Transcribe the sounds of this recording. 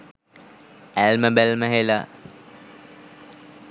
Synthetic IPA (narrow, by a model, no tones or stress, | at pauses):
ælməbælməɦela